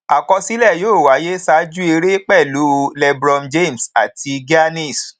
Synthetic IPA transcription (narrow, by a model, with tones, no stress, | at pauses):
a˨kɔ˧si˦lɛ˦˨joː˦˨wa˨˦je˦sa˨˦d͡ʒu˦e˧ɾe˦k͡pɛ˦˨lu˨˦lɛ˧bɾɔ˧md͡ʒe˦˨m̩˨sa˨tʰi˧ɡi˦a˦nĩ˦˨s